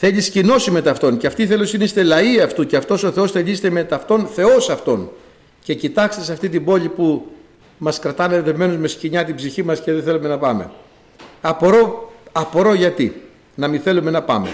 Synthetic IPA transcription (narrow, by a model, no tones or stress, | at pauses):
θe̞ʎiscino̞sime̞t̪ɐft̪o̞nceɐft̪iθe̞losinist̪e̞lɐiɐft̪uceɐft̪o̞so̞θe̞o̞st̪e̞ʎizet̪emet̪ɐft̪o̞nθe̞o̞sɐft̪o̞n | ce̞cit̪ɐkst̪isɐft̪it̪ibo̞ʎipu | mɐskɾɐt̪ɐneðevme̞nozme̞sciɲɐt̪ibziçimɐsceðeθe̞lume̞nɐpɐme̞̰ | ɐpoɾo̞ɐpo̞ɾo̞ʝɐt̪ḭ | nɐmiθe̞lume̞nɐpɐ̰me